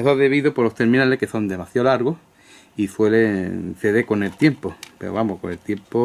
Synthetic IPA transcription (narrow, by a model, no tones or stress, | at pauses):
esoðe̞βiðopoloht̪e̞ɾmĩnalehke̞so̞nd̪e̞maθjaolaɾɣoh | ifwe̞leθeðeko̞ne̞lt̪je̞mpope̞̰ɾoβamokone̞lt̪je̞mpo